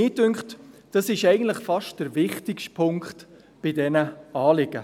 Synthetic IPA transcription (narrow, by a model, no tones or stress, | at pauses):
ɪːtʏŋkχtd̥ɑsɪʃɛɪɡən̩tləχfɑʃtd̥əɾvɪχtɪkʃtpʰʊŋkt | b̥ɪdɛnəɑːlɪɡə̰